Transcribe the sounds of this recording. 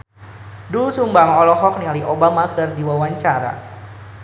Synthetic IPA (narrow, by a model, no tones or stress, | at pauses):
dusumbaŋɔlɔɦɔk̚nialiʔobamakɨrdiwawaɲt͡ʃaɾa̰